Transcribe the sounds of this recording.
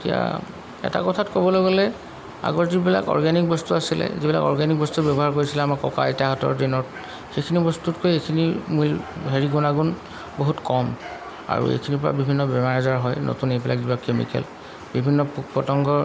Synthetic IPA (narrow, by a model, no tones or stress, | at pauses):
etija̰ | ɛ̰ta̰kɔtʰatkɔbɔloɡɔlɛ | a̰ɡɔɹzibila̰kɔ̰ɹɡanikbɔstuasilɛ̰zibila̰kɔ̰ɹɡanik̚bɔstutbjɔbɔɦaɹkoɹisilɛamakɔka̰jtaɦɔtɔ̰ɹdinɔt | xekʰinibɔstutkʰojejkʰinimujɦeɹiɡunaɡun | boɦutkɔm | a̰ɹṵḛjkʰinipɔɹa̰bibʱinːɔbɛmaɹazaɹɦɔjnʔo̰tunejpila̰k̚zibakːemḭkɛ̰l | bibʱinːɔppɔtɔŋɡɔɹ